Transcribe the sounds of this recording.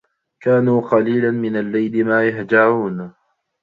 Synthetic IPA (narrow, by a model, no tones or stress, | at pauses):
kaːnuːqɑliːlanmɪnalːajlɪmaːjahd͡ʒaʕuːn